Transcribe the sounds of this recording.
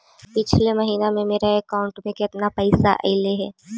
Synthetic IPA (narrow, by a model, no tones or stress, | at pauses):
pɪt͡ʃʰlemɐɦiːnamẽmeːɾaekaːʊ̃ɳʈmẽkɪt̪napɐɪsa̰ʔeɪleɦɛ̰ː